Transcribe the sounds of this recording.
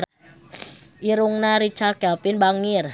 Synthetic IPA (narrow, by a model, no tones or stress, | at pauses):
ʔiɾuŋnaɾit͡ʃaɡ̥apɪnbaŋɪr